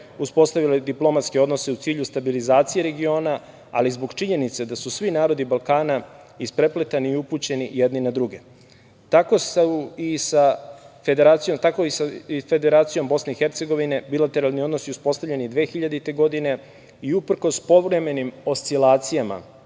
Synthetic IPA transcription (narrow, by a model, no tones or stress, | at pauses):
uspo̞st̪aʋiled̪iplˠo̞mat̪skeo̞d̪no̞se̞ut̪siːʎust̪abilizaːt̪sije̞ɾe̞ɡio̞ːna | a̰lizboɡt͡ʃiɲe̞nit̪sed̪asusʋinaːɾo̞d̪ibalˠkaːna | ispɾe̞plet̪aniːupuːt͡ɕe̞nijed̪ninad̪ɾuɡe̞ | t̪ako̞saisafed̪eɾaːt̪sijomt̪ako̞isafe̞d̪e̞ɾaːt̪sijo̞mbo̞sne̞ixe̞ɾt̪se̞ɡo̞ʋine̞bilat̪e̞ɾalˠniod̪nosiuspo̞st̪avʎe̞nid̪ʋe̞ːxiʎad̪it̪e̞ɡo̞d̪ine̞ | iupr̩ko̞spo̞ʋɾe̞me̞nimo̞st̪silaːt̪sijama̰